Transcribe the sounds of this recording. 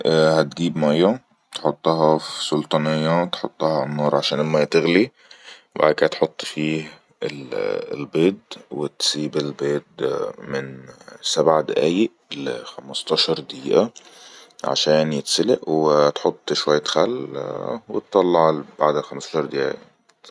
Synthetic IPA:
ʔhat̪ɡiːbmajːa | t̪ħot̪ˤːɑɦɑfsʊlt̪ˤɑnɪjːat̪ħot̪ˤːɑhɑʕanːɑːɾˤʕaʃæːnʔɪlmæjæt̪ɪɣli | ba̰ʕd̪kaːt̪ħʊt̪ˤːfiːh | ɪ̰lɪ̰lbeːd̪wɪt̪siːbɪlbeːd̪mɪnsabʕad̪ɪʔæːjɪʔlxamɑst̪ˤɑʃɑɾˤd̪iːʔa | ʕa̰ʃæːnjɪt̪sɪlɪʔwt̪ħot̪ˤːʃwajːaxælː | wɪt̪t̪ːˤɑlːɑʕlb̥aʕd̪ɪlxamst̪ɑʃɑɾˤd̪ɪʔæ̰ːj̰

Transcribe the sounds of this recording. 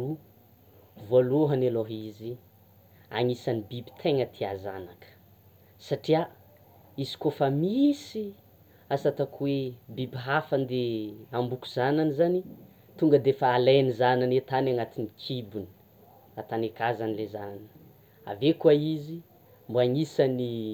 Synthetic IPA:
u | vualoɦaneloɦizi | a̰ŋisanibibi̥t̪ʰeŋət̪ʰiaza̰nakə̥ | saʈ͡ʂia | izi̥kofəmisi | asat̪akuwebibiɦafand̪eambuku̥zananizani | t̪uŋɡəd̪efaːlejnizananet̪anaŋat̪init͡ʃibuni̥ | at̪anekazanilezanan | a̰vekuaizi | mbuaŋisani

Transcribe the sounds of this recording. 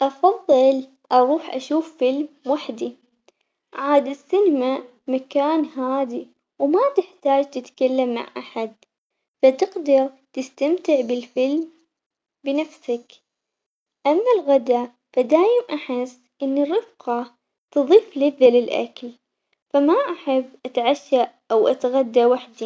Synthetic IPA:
ʔɑfɑðˤːɨl | ʔɑɾˤuːħʔa̰ʃuːfːɪlmwaħd̪i | ʕaːd̪ɪsːɪnma | makaːnɦaːði | wmat̪ɪħt̪aːd͡ʒt̪ɪt̪kalːamːa̰ʕʔa̰ħad̪̚ | fat̪ɪqd̪ɑɾ | t̪ɪst̪amt̪ɪʕbɪlfɪlm | bɪnafsak | ʔamːalɣad̪a | fad̪aːjɪmʔaħɪsːʔɪnːɪrːɪfqɑ | t̪ɨðˤiːflɪðalɪlʔa̰kl | famaʔaħɪbːʔat̪ʕaʃːaʔawʔat̪ɣad̪ːawaħd̪i

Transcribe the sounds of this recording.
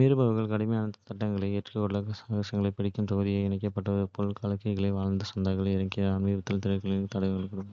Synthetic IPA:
miːɾɯbɐʋɐɣɐɭkɐɽɪmejaːnɐt̪ɐʈːɐŋɡɐɭɐɪɛʈrɯɔɽlɐɣɐsaːɣɐsɐŋɡɐɭɐɪpɐɽɪkːɯmt̪ɔɣɐðɪjɐɪnɐɪkːɐpːɐʈːɐʋɐðɯpolkaːlɐkːɐɣɐɭɐɪʋaːɻnd̪ɯsɐnd̪aːɣɐɭɐɪɾɐŋkɐɐnmiɐt̪ːɪlt̪ɪɾɐɾkɐɭɪt̪ɐɽɐʋɣɐɭɯkːɐɽɯm

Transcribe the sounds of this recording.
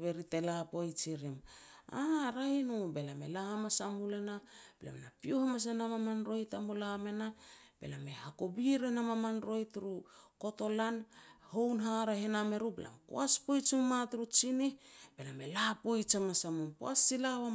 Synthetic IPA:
βe̞ɾite̞lapojt͡ʃiɾimaɾahinube̞lame̞̰lahamasamulenabela̰menapiohamas̬enamamanɾo̞jtamolame̞na | b̥e̞̰lame̞hakobiɾenamamanɾo̞jtɾuko̞to̞lanhownɦaɾahename̞ɾubelʔa̰mko̰aspo̞jt͡ʃimmatɾut͡ʃinib̥e̞lamelapojt͡ʃamasamumpoasilaβa

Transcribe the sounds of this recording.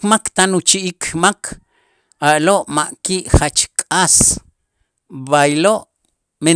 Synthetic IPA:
makt̪anut͡ʃiʔikmakʰ | aloʔmaʔkiʔχat͡ʃkʼas | βajloʔ | me

